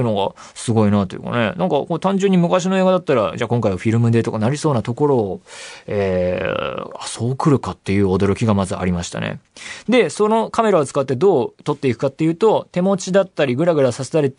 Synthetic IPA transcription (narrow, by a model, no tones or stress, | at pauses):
ɯ̟noɡa | sɨɡo̞inaːt̪o̞jɯ̰kɑ̰ne̞̰nãŋkɑkot̪ãɲ̟d͡ʑɨ̃ɲ̟ːimɯ̟kaɕ̬ino̞e̞ːɡad̪at̪ːaɾad͡ʑaːkõ̞ŋkaiβaɸʲiɾɯ̟mɯ̟d̪e̞ːt̪o̞kanaɾʲiso̞ːnat̪o̞ko̞ɾo̞ːe̞ː | a̰so̞ːkɯ̟ɾɯ̟kat̪ːe̞jɯ̟ːo̞d̪o̞ɾo̞kʲiɡamazɨa̰ɾʲimaɕi̥t̪a̰nḛd̪e̞sono̞kame̞ɾaot͡sɨ̥kat̪ːe̞d̪o̞ːt̪o̞t̪ːe̞ikɯ̟̥kat̪ːe̞jɯ̟ːt̪o̞t̪e̞mo̞t͡ɕid̪at̪ːaɾʲiɡɯ̟ɾaɡɯ̟ɾasaset̪aɾʲi